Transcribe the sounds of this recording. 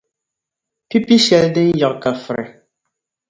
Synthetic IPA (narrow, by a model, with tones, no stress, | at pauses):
pi˦pi˦ɕɛ˨ldɪ˦n˦jɔ˨ʔka˨fɨ˨ɾɛ̰˨